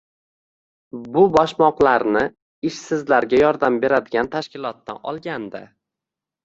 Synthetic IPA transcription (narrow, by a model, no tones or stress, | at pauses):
bʊbɒʃmɒqlˠaɾnɪ | ɪʃsɪzlaɾɡʲajɒɾd̪ambe̞ɾad̪ɪɡʲant̪ʰaʃkʲɪlˠɒt̪ːa̰ɒ̰lˠɡʲand̪ɪ̰